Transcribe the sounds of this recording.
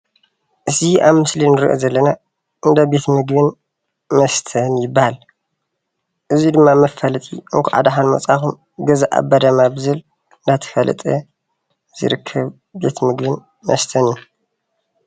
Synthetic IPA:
ʔɨziʔaβmɨslinɨɾḭʔo̰zɐlːɐna | ʔɨnd̪ɐbe̞t̪mɨɡbɨn | mɐst̪ʰɐnjɪbːahal | ʔɨzid̪ɨmːamɐfɐlɐt̪ʼiʔɨŋkʰuʕa̰d̪aħanmɐ̰t͡sʼaxum | ɡɐzaʔa̰bːad̪ɐmabɨzɨl | ɨnd̪at̪ʰɨ̥fɐlɨ̰t̪ʼɐ | z̥ɨ̰ɾɨkʰːɐβ | be̞t̪mɨɡbɨn | mɐ̰st̪ʰɐnju

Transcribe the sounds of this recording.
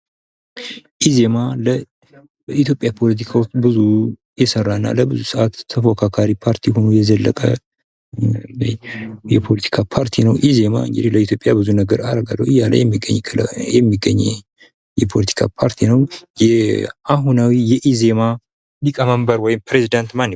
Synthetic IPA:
ʔize̞malə | bəit̪jo̞pʼːjapʰo̞lət̪̬ʰikʰawot͡ʃːbɨzu | jɛsərːaɨnːa̰ləbɨzusɨʔat̪ʰːəfokʰakʰaɾipʰaɾt̪ʰihonujɛzəlːə̰kʼə | jɛpʰolət̪ʰi̥kʰapʰaɾt̪ʰinəwʔize̞ma̰ɨ̰ŋɡɨd̪iləit̪ʰjo̞pʼjabɨzunəɡəɾaɾəɡa̰lːə̰wɨjːala̰jɛmːiɡə̰ɲːʰjɛmːiɡːəɲːɛ̰ | jɛpʰo̞lət̪ʰi̥kʰa̰pʰaɾt̪ʰinəwjɛʔaɦunawijɛʔize̞ma | likʼəməmbəɾwɔjɪmpɾezid̪ant̪manː

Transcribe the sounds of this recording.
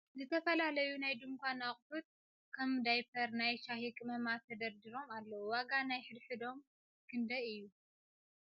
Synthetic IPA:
zɨt̪ʰɐfɐlalɐjunajd̪ɨmkʷanaχʼfut̪̚ | kʰɐmd̪ajpʰɐɾnajʃahikʼmɐmat̪ʰɐd̪ɐɾd̪iɾo̞malːɐwuwaɡanajħɨd̪ħɨd̪o̞m | kʰɨnd̪ɐɨjːu

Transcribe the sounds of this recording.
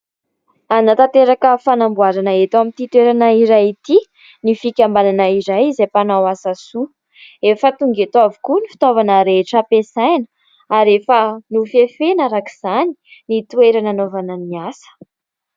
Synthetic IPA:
anat̪at̪eɾakəfanambuaɾanaet̪amit̪it̪ueɾanaiɾajit̪i | nifikʲambalanaiɾajizapanawasasu | efət̪uŋɡet̪wavukunifi̥t̪ovanəɾeʈ͡ʂəpesajnə | aɾefənufefenaɾakiz̥ani̥nit̪weɾananovanəniasə̥

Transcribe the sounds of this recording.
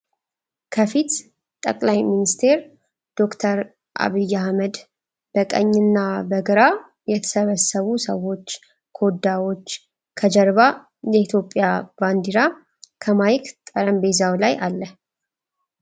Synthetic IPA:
kʰəfit̪ | t̪ʼə̰kʼlajminist̪ʰe̞ɾ | d̪̥o̞kt̪ʰəɾ | ʔa̰βijːahməd̪ | b̥əkʼə̰ɲːɨnːabəɡəɾa | jɛt̪ʰə̥səβəsəβusəwo̞t͡ʃː | kʰo̞d̪ːawo̞t͡ʃː | kʰəd͡ʒəɾβa | jɛit̪ʰjo̞pʼːjab̥and̪iɾa | kʰəmajkt̪ʼəɾəmbe̞zawlajʔalːə

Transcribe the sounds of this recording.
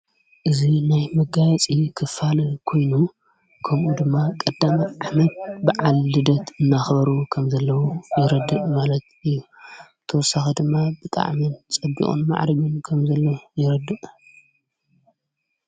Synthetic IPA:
ʔɨzinajmɐɡajɐt͡sʼikʰɨfalɐkʰo̞jnu | kʰɐmʔud̪ɨmːakʼɐd̪ːamaʔaħnɐt̪̚bɨʕalːɨd̪ɐt̪ɨnːaxbɐɾukʰɐmzɐlːɐwujɪɾɐd̪ɨʔʼmalɐt̪ɨjːu | t̪ʰɐwɔsaxid̪ɨmːabɨt̪ʼa̰ʕmɨnt͡sʼɐbḭkʼṵnma̰ʕɾɐɡɨnkʰɐmzɐlːɐwjɪɾɐd̪ɨʔʼ

